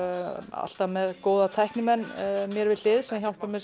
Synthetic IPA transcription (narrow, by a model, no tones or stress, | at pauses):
a̰l̥t̪amɛðkoːwðat̪ʰajhknʏmɛnːmjɛɾvɪðlɪːðsɛmçjawl̥pamjɛɾ